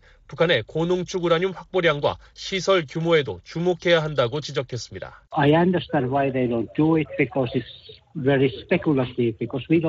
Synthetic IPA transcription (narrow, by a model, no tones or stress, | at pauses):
pukʰane̞konoŋt͡ɕʰuɡuɾaɲinɸwak̚p͈oɾjaŋɡwa̰ | ɕʰisʰʌɭkjumoe̞do̰t͡ɕumokʰe̞jaɦandaɡot͡ɕid͡ʑʌkʰe̞s͈ɯmɲida̰aɪãndə˞stæ̃ndwaɪðeɪdõʊ̃nt̚d̥uɪt̚b̥ikʰɔsɪtsvɛɹispɛkjulətlibikɔswidõ